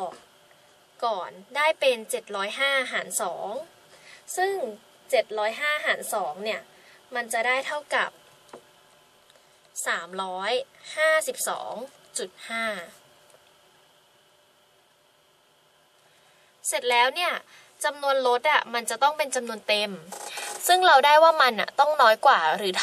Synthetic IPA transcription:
ɔː˨˩ | kɔː˨˩ndaː˥˩jpe˧nt͡ɕe˨˩t̪̚ɾɔː˦˥jɦaː˥˩ʔa˧ɦaː˩˦nsɔ̰ː˩˦ŋ | sɯ˥˩ŋ | t͡ɕe˨˩t̪̚ɾɔː˦˥jɦaː˥˩ɦaː˩˦nsɔː˩˦ŋni˥˩ɐ | ma˧nt͡ɕa˨˩daː˥˩jt̪ʰa˥˩wka˨˩p̚ | saː˩˦mɾɔː˦˥jhaː˥˩si˨˩p̚sɔ̰ː˩˦ŋt͡ɕu˨˩t̪̚haː˥˩ | se˨˩t̪̚lɛː˦˥wni˥˩ɐ | t͡ɕa˧mnu˧ənlo˦˥t̪̚ʔa˨˩ma˧nt͡ɕa˨˩t̪ɔ˥˩ŋpe˧nt͡ɕa˧mnu˧ənt̪e˧msɯ˥˩ŋɾa˧wdaː˥˩jwaː˥˩ma˧nʔa̰˨˩t̪ɔ˥˩ŋnɔː˦˥jkwaː˨˩ɾɯː˩˦t̪ʰ

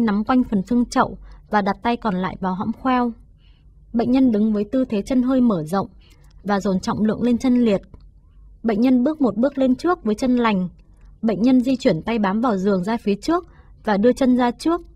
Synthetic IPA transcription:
na˨˦mkwa˧jŋ̟fə˨˩nsɨ˧əŋt͡ɕə̰˧˨wvaː˨˩ɗa˨˩t̚t̪a˧jkɔ˨˩nla̰ː˧˨jvaː˨˩wɦɔ̰˧˥mxwɛ˧w | ɓə̰˧˨ŋ̟ɲə˧nɗɨ˨˦ŋvəː˨˦jt̪ɨ˧t̪ʰe˨˦t͡ɕə˧nɦəː˧jməː˧˩zə̰˧˨wŋ͡m | vaː˨˩zo˨˩nt͡ɕɔ̰˧˨wŋ͡mlɨ̰˧˨əŋle˧nt͡ɕə˧nli˨˩ət̚ | ɓə̰˧˨ŋ̟ɲə˧nɓɨ˦˥ək̚mo˨˩t̚ɓɨ˦˥ək̚le˧nt͡ɕɨ˦˥ək̚vəː˨˦jt͡ɕə˧nla˨˩jŋ̟ | ɓə̰˧˨ŋ̟ɲə˧nzi˧t͡ɕwi˧˩ənt̪a˧jɓaː˨˦mvaː˨˩wzɨ˨˩əŋzaː˧fi˨˦ət͡ɕɨ˦˥ək̚ | vaː˨˩ɗɨ˧ət͡ɕə˧nzaː˧t͡ɕɨ˦˥ək̚

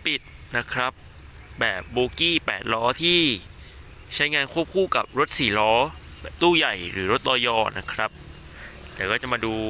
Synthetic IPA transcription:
pi˨˩t̪̚na˦˥kʰɾa˦˥p̚ | bɛː˨˩p̚boː˧kiː˥˩pɛ̰ː˨˩t̪̚lɔː˦˥t̪ʰiː˥˩ | t͡ɕʰa˦˥jŋaː˧nkʰu˥˩əp̚kʰuː˥˩ka˨˩p̚ɾo˦˥t̪̚siː˩˦lɔː˦˥ | bɛː˨˩p̚t̪uː˥˩ja˨˩jɾɯ̰ː˩˦ɾo˦˥t̪̚ʔɔː˧jɔː˧na˦˥kʰɾa˦˥p̚ | t̪ɛː˨˩wkɔː˥˩t͡ɕa˨˩maː˧duː˧

